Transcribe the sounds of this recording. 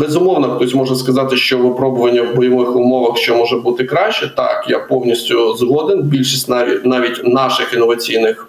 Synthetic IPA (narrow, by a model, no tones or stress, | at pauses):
bɛzʊmɔwnɐt̪ɔsʲmɔʒnɐskɐzɑt̪ɪʃt͡ʃɔʋɪpɾɔbʊʋɐnʲːɐwbɔjɔʋɪxʊmɔʋɐxʃt͡ʃɔmɔʒɛbut̪ɪkɾɑʃt͡ʃɛt̪ɑ̰kjapɔwnʲisʲtʲʊzɦɔd̪ɪnbʲilʲʃisʲtʲnʲnɑʋʲitʲnɑʃɪxinːɔʋɐt͡sʲijnɪx